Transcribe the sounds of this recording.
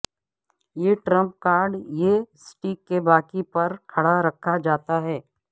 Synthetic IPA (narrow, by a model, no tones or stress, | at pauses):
jeːʈɾə̃mp̚kaːɾɖjesʈiːkːebaːkipɐɾkʰɐɽaɾɐkʰad͡ʒaːt̪aɦɛː